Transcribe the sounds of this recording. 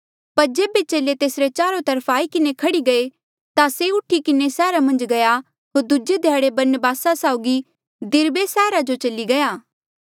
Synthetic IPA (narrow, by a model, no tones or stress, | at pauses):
pɐɾd͡ʒeːbet͡ʃeːlet̪eːsɾet͡ʃaːɾot̪ɐɾpʰaːikɪnekʰɐɽiɡɐe | t̪aseʊʈʰikɪnesɛːɾamɐ̃nd͡ʒɡɐja | ɦoːɾd̪ʊd͡ʒed̪ʱjaːɽebɐɾnəbaːsasaʊɡi | d̪ɪɾbesɛːɾad͡ʒot͡ʃɐliɡɐjaː